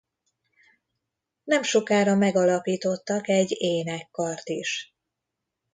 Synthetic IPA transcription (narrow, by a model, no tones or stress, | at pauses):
nɛmʃo̞kaːɾɒmɛɡɒlɒpiːt̪o̞t̪ːɒkɛɟeːnɛkːɒrt̪iʃ